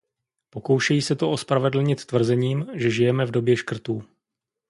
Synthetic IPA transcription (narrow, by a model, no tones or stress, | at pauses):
po̞ko̞wʃɛjiːsɛt̪oʔospɾavɛdl̩ɲɪt̪ːvr̩zɛɲiːmʒɛʒɪjɛmɛvdo̞bjɛʃkr̩t̪uː